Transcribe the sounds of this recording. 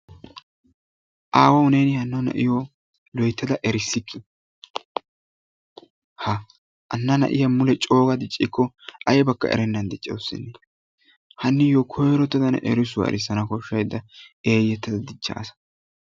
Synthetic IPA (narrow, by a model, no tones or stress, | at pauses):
ʔaːwɐwneːnɪhɐnːɐnɐ̰ʔɪjɔ | lɔjt̪ːɐd̪ɐʔɛɾɪsːɪkʰːɪ | hɐ | ʔɐnːɐnɐ̰ʔɪjɐmʊlɛt͡ʃʼo̞ːɡɐd̪ɪt͡ʃʼːɪkːɔ | ʔɐjɛbɐkːɐ̰ʔɛ̰ɾɛnːɐnd̪ɪt͡ʃʼːɛ̰wsːɪ̰nːe | hɐnːɪjɔkʰɔjɾɔt̪ːɐd̪ɐn̰ʔɛ̰ɾɪsʊwɐ̰ʔɛ̰ɾɪsːɐnɐkɔʃːɐjd̪ːɐe̞ːjːɛt̪ːɐd̪ɐd̪ɪt͡ʃːɐ̰ʔːsɐ̥